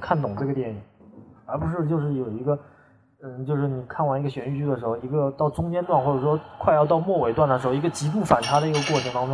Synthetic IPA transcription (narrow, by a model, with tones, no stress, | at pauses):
kʰa˥˩nt̪ʊ˨˩ŋʈ͡ʂɤ˥˩ɡə˩t̪jɛ˥˩ni˨˩˦ŋə˧˥pu˧˥ʂ̬ɻ̩˥˧t͡ɕjo˥˧ʊʂ̬ɻ̩˥˩jo˨˩ʊi˧˥ɡə˧˥˩ | t͡ɕjo˥˧ʊʂɻ̩˥˩ni˨˩kʰa˥˩nwa˧˥ni˧˥ɡə˧ɕɥɛ˧˥ny˥˩t͡ɕy˥d̪ə˨ʂɻ̩˧˥xo˧ʊi˧˥ɡə˧t̪ɑ˥˩ʊʈ͡ʂʊ˥ŋt͡ɕjɛ˥nt̪wa˥˧nxwɔ˥˩ʈ͡ʂɤ˨˩ʂwɔ˥kʰwa˥˧ɪjɑ˥˧ʊt̪ɑ˥˧ʊmwɔ˥˩we˨˩ɪt̪wa˥˩nd̪ə˩ʂɻ̩˧˥xʊi˧˥ə˧t͡ɕi˧˥pu˥˩fa˨˩nt̪ʰa˥d̪ə˧˨i˧˥ɡə˧kwɔ˥˩ʈ͡ʂʰɤ˧˥ŋt̪ɑ˥ŋʈ͡ʂʊ˥